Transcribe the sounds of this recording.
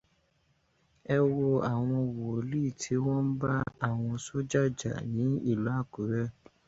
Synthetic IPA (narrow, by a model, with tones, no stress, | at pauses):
ɛ˦wo˧a˨w̃ɔ̃˧wo˨o˨˦li˦˨tʰi˨˦wɔ̃˦n̩˦ba˦a˦˨w̃ɔ̃˧so˦d͡ʒa˦˨d͡ʒa̰˨nĩ˨˦i˦˨lu˨˦a˦˨ku˨˦ɾɛ˦